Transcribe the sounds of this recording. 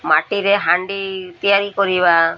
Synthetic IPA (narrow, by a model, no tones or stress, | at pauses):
maʈiɾeɦaɳɖit̪ijaɾikɔɾiβa